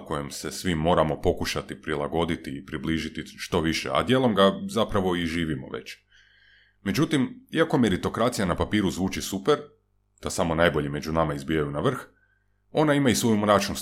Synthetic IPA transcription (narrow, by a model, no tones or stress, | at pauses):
ko̞jemse̞sʋimːo̞ːɾamo̞po̞kuʃat̪ipɾilaɡo̞d̪it̪iːpɾibliːʒit̪iʃt̪o̞ʋiʃḛa̰d̪je̞ːlˠo̞mɡazapɾaʋo̞iʒiːʋimo̞̰ʋḛt͡ɕ | me̞d͡ʑut̪imiako̞me̞ɾit̪o̞kɾat̪sijanapapiːɾuzʋuːt͡ʃisupeɾ | d̪̥asamo̞najbo̞ʎime̞d͡ʒunamaizbiːjajunaʋr̩x | o̞naimaisʋo̞jumɾat͡ʃnus